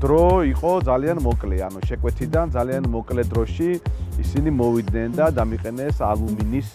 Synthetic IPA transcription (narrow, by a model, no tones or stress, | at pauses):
d̪̥ɾɔiqʼɔd̪zalianmɔkʼlɛanuʃɛkʼwɛt̪ʰid̪and̪zalianmɔkʼlɛd̪ɾɔʃiisinimɔvid̪nɛnd̪ad̪amiqʼɛnɛsalˠuminis